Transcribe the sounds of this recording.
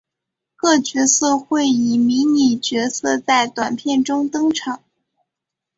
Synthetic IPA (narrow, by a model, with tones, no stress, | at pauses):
kɤ˥˩t͡ɕɥɛ˧˥sɤ˥˧xwe˥˩ɪi˨˩mi˧˥ni˨˩t͡ɕɥɛ˧˥sɤ˥˧t͡sa˥˩ɪt̪wa˨˩npʰjɛ˥˩nʈ͡ʂʊ˥ŋt̪ɤ˥ŋʈ͡ʂʰɑ˨˩˦ŋ